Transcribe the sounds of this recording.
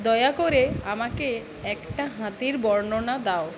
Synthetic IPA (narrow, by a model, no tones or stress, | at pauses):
d̪ɔjakoɾeamake | ɛkʈaɦãt̪iɾbɔɾɳonad̪ao